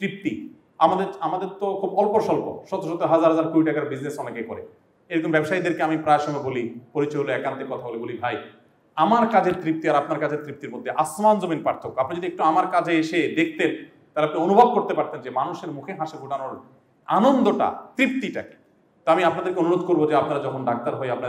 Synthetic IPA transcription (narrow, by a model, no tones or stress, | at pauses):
t̪ɾip̚t̪i | amad̪eɾamad̪eɾt̪okʰubɔlpoɾʃɔlpo̰ʃɔt̪oʃɔt̪ːeɦad͡ʑaɾɦad͡ʑaɾkuɾiʈakaɾbid͡ʑnesɔnekːajkɔɾḛ | ejɾɔkombɛbʃaid̪eɾkeamipɾaeʃɔmɔebolipoɾit͡ɕɔeɦoloɛkant̪ekɔt̪ʰabolebolibʱaj | amaɾkad͡ʑʱeɾt̪ɾip̚t̪iaɾapnaɾkad͡ʑʱeɾt̪ɾip̚t̪iɾmod̪ʱːeʔasmand͡ʑominpɾaɾt̪ʰokːoapnid͡ʑod̪iek̚ʈuamaɾkad͡ʑʱeeʃed̪ek̚ʰt̪en | t̪ajleap̚nionubʱob̚koɾt̪epaɾt̪end͡ʑemanuʃeɾmukʰeɦaʃebʱuʈanoɾ | anond̪oʈa̰t̪ɾip̚t̪iʈa̰ke̥ | t̪oamiapnad̪eɾkeonuɾod̪ʱkoɾbod͡ʑeapnaɾad͡ʑɔkʰonɖʱak̚t̪aɾɦoeapna